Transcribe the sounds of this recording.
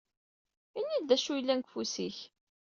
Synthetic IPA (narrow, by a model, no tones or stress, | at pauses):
inːid̪æʃujlːænkfusiç